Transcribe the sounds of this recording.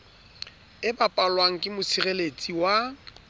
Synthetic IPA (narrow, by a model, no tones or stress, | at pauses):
ɪbapʼalwaŋ̩kʼɪmʊsirelet͡sʼiwa